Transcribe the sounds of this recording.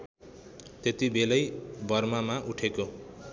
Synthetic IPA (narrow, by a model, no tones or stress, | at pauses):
t̪et̪ibelʌjbʱʌrmamaʔuʈʰeko